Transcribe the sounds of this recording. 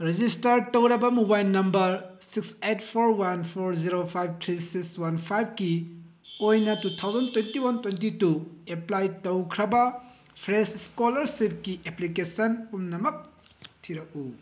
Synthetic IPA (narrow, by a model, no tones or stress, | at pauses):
ɾed͡ʒistɐɾtowɾɐbɐmubajlnɐmbɐɾsikset̚pʰoɾwanpʰoɾziɾopʰajb̚tʰɾisikswanpʰajb̚ki | ojnɐtutʰawzɐntwentiwantwentitueplajtowkʰɾɐbɐ | pʰɾesskolɐɾsip̚kieplikesɐnumnɐmɐk̚tʰiɾɐk̚u